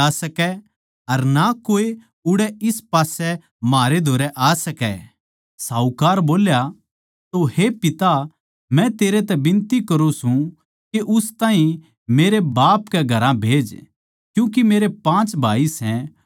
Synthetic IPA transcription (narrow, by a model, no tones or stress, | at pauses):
asɐkɛ | ɐɾnakoːe | ʊɽɛɪspaːsɛ | maːɾed̪ʱoːɾɛʔaːsɐkɛ̰ | saːukaːɾboːlja | t̪ohepɪt̪a | mɛ̃t̪eːɾet̪ɛbɪ̃nt̪ikɐɾũsũ | keʔʊst̪ãːɦĩ | meːɾebaːpkɛɡʱɐɾãbʱeːd͡ʒ | kjũːk̬imeːɾepãːt͡ʃbʱaːisɛ̃